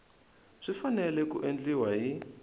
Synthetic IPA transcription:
z̥ʷifanɛlɛkuʔend͡ɮiwaɦi

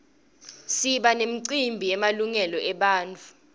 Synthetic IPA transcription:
siɓanem̩ǀimbʱijɛmaluŋɛlɔʔɛɓaːnt͡fʰu

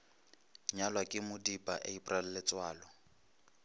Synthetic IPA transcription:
ɲalwakʼɪmʊdipʼaʔeipʼral̩lɛt͡sʼwaːlɔ

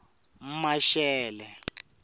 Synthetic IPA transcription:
m̩maʃɛːlɛ

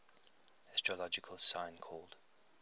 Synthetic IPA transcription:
ɛstɹ̥əlɔd͡ʒɪkʰəlˠsãɪ̃nkʰɔːlˠd̥

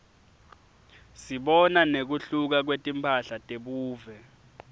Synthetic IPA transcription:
siɓɔnanek̬uɬuk̬ak̬wetʼimpʰaɬatʼeɓuːvɛ

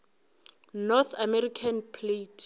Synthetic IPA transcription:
nɔθʰamɛrikʰanpʰletʰ

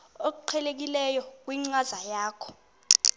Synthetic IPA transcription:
ok̬uǃʰɛlek̬ilɛjɔk̬ʼwiŋ͡ǀazajaːkʰɔ̥

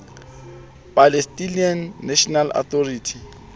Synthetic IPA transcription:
pʼalestʼinianːɛʃɔnalɔ̰t̪ʰɔriːtʰi̥

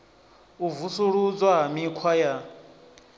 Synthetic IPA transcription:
uvusuɺud͡zwamikʰwaja

